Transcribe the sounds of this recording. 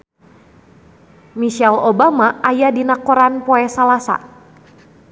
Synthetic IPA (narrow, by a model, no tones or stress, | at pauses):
miʃɛlobamaʔajadinakɔɾanpɔɛsalasa̰